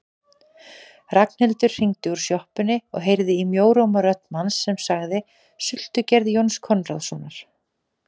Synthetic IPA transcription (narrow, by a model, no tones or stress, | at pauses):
rakn̥hɪlt̪ʏɾ̥r̥iŋt̪ɪuɾ̥sjɔhpʏnɪɔ̰ɣɦejɾðɪimjoːwɾowmaɾœht̪nmansːɛmsaɣðɪ | sʏl̥t̪ʏcɛɾðjownskʰɔnra̰ðsɔnaɾ̥